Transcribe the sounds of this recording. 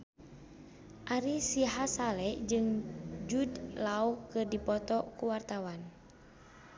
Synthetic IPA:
ʔaɾisiɦasalɛd͡ʒɨŋd͡ʒudlauhkɨrdipɔt̪ɔkuwart̪awan

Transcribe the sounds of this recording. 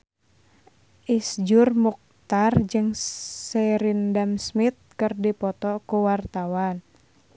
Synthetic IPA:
ʔisd͡ʒurmuk̚t̪ard͡ʒɨŋsɛɾindamsmit̪̚kɨrdipɔt̪ɔkuwart̪awan

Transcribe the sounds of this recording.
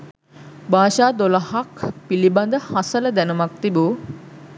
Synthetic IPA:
baːʃaːd̪olahakpiliband̪əhasələd̪ænumak̚t̪ibu

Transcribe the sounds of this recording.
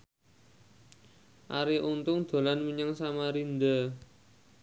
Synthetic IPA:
ʔaɾiʔunt̪ʊŋd̪̥o̤lanmiɲəŋsamaɾind̪ə

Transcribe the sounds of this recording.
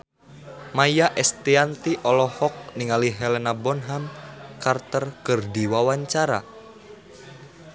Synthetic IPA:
majaʔɛst̪iant̪iʔɔlɔhɔk̚niŋaliɦɛlɛnabɔnɦamkart̪ərkɨrdiwawaɲt͡ʃaɾa̰

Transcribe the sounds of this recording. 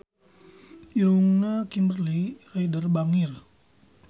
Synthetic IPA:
iɾuŋnakimbərlirajdərbaŋir

